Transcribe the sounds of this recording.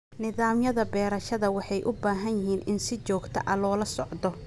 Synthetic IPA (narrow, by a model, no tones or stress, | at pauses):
nɪðaːmjɐðɐbɛːɾɐʃɐðɐwɑħɑjʔʊbaːɦɐnjɪɦiːnɪnsɪt͡ʃɔːɡt̪ʰɐʔɐlɔːlɐsɔʕd̪ɔ